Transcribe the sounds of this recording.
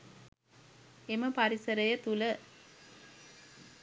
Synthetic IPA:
eməpɐɾisɐɾɐjət̪ulə

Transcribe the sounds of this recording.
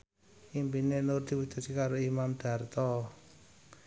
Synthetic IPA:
impinenʊrd̪̥i̤wud̪̥a̤t͡ʃikaɾoimamd̪̥a̤rt̪ɔ

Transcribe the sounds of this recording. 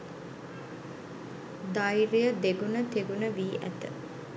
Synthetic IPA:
d̪ajɾijəd̪eɡunət̪eɡunəʋiːʔæ̰t̪ə

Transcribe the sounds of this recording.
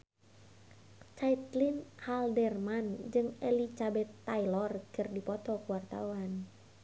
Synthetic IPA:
t͡ʃait̪linhaldɛrmand͡ʒɨŋɛlit͡ʃabɛt̪ːailɔrkɨrdipɔt̪ɔkuwart̪a̰wan

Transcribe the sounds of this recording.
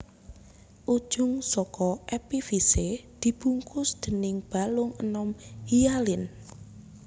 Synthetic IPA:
ʔud̥ʒ̥ʊŋsɔkɔʔɛpifised̪̥i̤b̥ṳŋkʊsd̪̥ə̤nɪŋb̥a̤lʊŋənɔmhialɪn

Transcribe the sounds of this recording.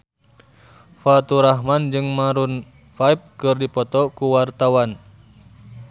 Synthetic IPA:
fat̪uɾaɦmand͡ʒɨŋmaɾun | faip̚kɨrdipɔt̪ɔkuwart̪awan

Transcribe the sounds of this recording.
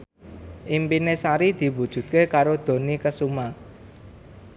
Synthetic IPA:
ʔimpinesaɾid̪̥i̤wud̥ʒ̥ṳt̪̚kekaɾod̪̥o̤nikəsuma

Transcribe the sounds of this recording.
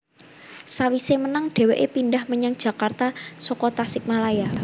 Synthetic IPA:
sawisemənaŋɖ̥e̤weʔepindahməɲaŋd̥ʒ̥ä̤kart̪asɔkɔt̪asɪk̚malaja

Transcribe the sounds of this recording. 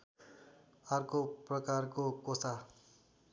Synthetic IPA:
ʌrkoprʌkarkokosa

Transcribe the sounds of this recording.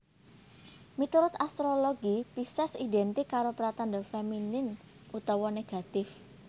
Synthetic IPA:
mit̪uɾʊt̪ast̪ɾoloɡipisɛsid̪ɛnt̪ɪkːaɾopɾat̪and̪əfeminɪn | ut̪ɔwɔneɡ̥a̤t̪ɪf

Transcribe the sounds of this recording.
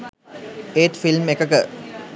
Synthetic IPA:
eːt̪filmekəkə

